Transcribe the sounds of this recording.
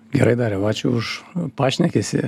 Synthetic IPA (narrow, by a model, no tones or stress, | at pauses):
ɡʲɛɾɐɪd̪ɑːɾʲɛʋɑːt͡ʃʲuʊʃpɑːʃʲnʲɛkʲesʲɪ